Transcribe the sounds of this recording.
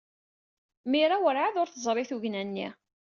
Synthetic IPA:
miɾawəɾʕaðʊɾθəzˤɾˤiθuʝnænːḭ

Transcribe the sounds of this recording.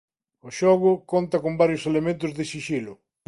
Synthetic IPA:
ʊʃɔɣʊkont̪ɐkombaɾjʊselemẽnt̪̬ʊzðɪʃiʃilʊ

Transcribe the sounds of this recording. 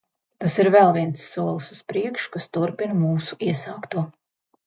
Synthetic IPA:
t̪asiɾvɛlˠviɛnsːuɔlˠsuspɾiɛkʃu̥kast̪uɾpinmuːsu̥iɛsɑːkt̪uɔ

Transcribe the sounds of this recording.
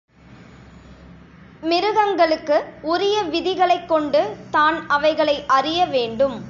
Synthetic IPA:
mɪɾɯɣɐŋɡɐɭɯkːɯʊɾɪjɐʋɪðɪɣɐɭɐɪkːɔɳɖɯt̪aːnɐʋɐɪɣɐɭɐɪʔɐrɪjɐʋeːɳɖɯm

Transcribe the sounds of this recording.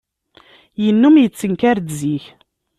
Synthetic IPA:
jənːumjət͡sːəŋkæɾd̪ziç

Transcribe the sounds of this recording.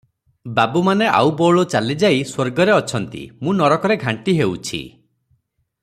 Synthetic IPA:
babumaneʔa̰wbɔɭot͡ʃalid͡ʒaiswoɾɡɔɾeɔt͡ʃʰɔnt̪ḭmũnɔɾɔkɔɾeɡʱaɳʈiɦewt͡ʃʰḭ

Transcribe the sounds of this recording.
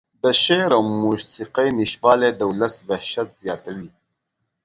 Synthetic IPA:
d̪əʃeɾawmusiqajniʃbɑːled̪əuləsbahʃat̪z̥jɑːt̪awi

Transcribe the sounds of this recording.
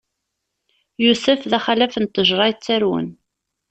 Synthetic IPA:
jusəfðæχælæfənt̪ːəʒɾˤɑjət͡sːæɾwə̰n

